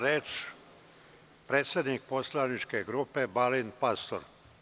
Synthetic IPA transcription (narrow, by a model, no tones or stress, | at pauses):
ɾeːt͡ʃ | pɾeːt̪sʲjed̪nik̚po̞slˠanit͡ʃkeɡɾuːpe̞balinpast̪o̰ɾ